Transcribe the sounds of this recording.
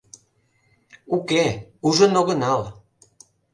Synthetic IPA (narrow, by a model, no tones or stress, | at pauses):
ukeuʒənoɣə̆nɑl